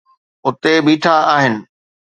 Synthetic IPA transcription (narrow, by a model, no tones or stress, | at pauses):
ʊt̪ebiːʈʰaaːɦɪnɪ̆